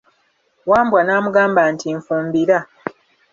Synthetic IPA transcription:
waːmbwanaːmuɡaːmbantiɱfuːmbiɾa

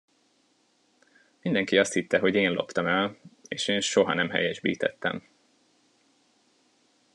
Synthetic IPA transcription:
mind̪ɛŋkiɒst̪hit̪ːɛɦo̞ɟeːnlo̞̰pt̪ɒmɛleːʃeːnʃo̞ɦɒnɛmɦɛ̰jɛʒbḭːt̪ɛ̰t̪ːɛ̰m

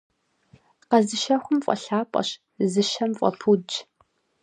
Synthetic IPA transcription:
qɐzɨʃɐxʷʊmfʼɔ̰ɬaːpʼɐ̰ɕ | zɨʃɐmfʼɔ̰fʰud͡ʒ

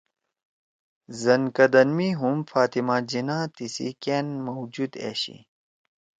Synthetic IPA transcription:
zɐnkɐd̪ɐnmiɦumfaːt̪imaːd͡ʑinãːt̪isḭkeːnmɐwd͡ʑud̪ḛːɕḭ

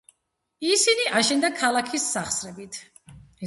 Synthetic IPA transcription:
isiniʔaʃɛnd̪akʰalˠakʰisːaχsɾɛbit̪ʰ

